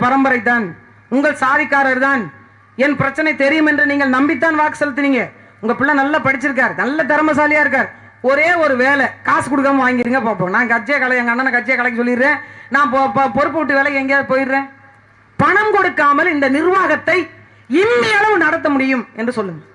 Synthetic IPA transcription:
pɐɾɐmbɐɾɐɪt̪ːaːn | ʊŋɡɐɭsaːðɪkːaːɾɐɾt̪aːn | ɛnpɪɾɐt͡ʃːɐnɐɪt̪ɛɾɪjɯmɛndrɯniːŋɡɐɭnɐmbɪt̪̬ːaːnʋaːkːɯ̥sɔlːɯt̪ːɯniːŋɡɐ | ʊŋɡɐpɪɭːɐnɐlːapɐɽɪt͡ʃːɪɾɯk̬ːaːɾnɐlːɐt̪̬ɐɾɐmɐs̬aːlɪjaːɪɾɯk̬ːaːɾ | ɔɾeːɔɾɯʋeːlɛkaːskʊɽɯk̬ːɐmʋaːŋɡɪɾiːŋɡɐpaːp̬ːõːnaːnkɐʈt͡ʃːɪjakɐɭɐɛŋɡɐnːaːnːakɐʈt͡ʃːɪjakɐɭɐk̬ːɪsɔlːɪɾːẽːnãːpːppɔɾɯpːɯʋʈ̬ːɯʋeːlɐkːɛŋɡɐjaːðɯpoːjɪɾːẽː | pɐɳɐmkɔɽɯkːaːmɐlɪnd̪ɐnɪɾʋaːɣɐt̪ːɐɪ | ɪmːɪjɐlɐʋɯnɐɽɐt̪ːɐmʊɽɪjɯmɛndrɯsɔlːɯŋɐ

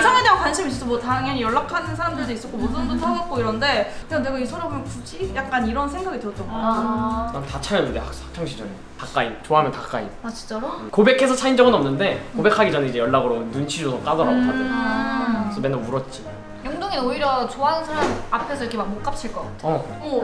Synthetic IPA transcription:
ɭsʰaŋedeɡakwanɕʰimis͈ʌs͈omʌtaŋenijʌɭːakʰanɯnsʰaɾamdɯɭdeis͈ʌt̚k͈omosundotʰaŋʌt̚k͈oiɾʌnde̞kɯneane̞ɡaisʰʌnopʰomjŋkut͡ɕ͈ʰijak̚k͈aniɾʌnsʰe̞ŋɡaɡitɯɾʌt͈ʌno | antat͡ɕʰaɾjʌndɯndeakak̚t͡ɕʰʌŋɕʰid͡ʑʰʌɾe | tak͈aint͡ɕoaɦamjʌntak͈a̰ḭnat͡ɕi̥nt͡ɕ͈aɾokobe̞kʰe̞sʰʌt͡ɕʰaind͡ʑʌɡɯnʌmnːɯnde̞kobe̞kʰaɡid͡ʑanenid͡ʑe̞jʌɭːaɡɯɾonunt͡ɕʰid͡ʑosʰʌk͈adʌɾaɡot͡ɕʰae | sʰʌmenomuɾʌt̚t͡ɕ͈i | jʌŋdoŋinnoiɾjʌt͡ɕoanɯnsʰaɾamapʰe̞sʰʌjikʰemak̚mok͈ap̚t͡ɕʰiɭk͈ʌk͈atʰe | o

